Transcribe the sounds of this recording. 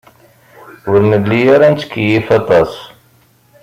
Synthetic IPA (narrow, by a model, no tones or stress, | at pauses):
ʊɾnəlːijaɾant͡s̪ə̥kːjifɑt̪ˤɑsˤ